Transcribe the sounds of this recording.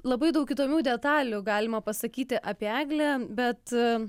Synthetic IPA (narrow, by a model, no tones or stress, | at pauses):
lˠɐbɐɪd̪ɐʊkʲɪt̪oːmʲuːd̪ʲɛt̪ɑːlʲʊɡɑːlʲɪmɐpɐsɐkʲiːt̪ʲɪʔɐpʲiæːɡlʲɛbʲɛt̪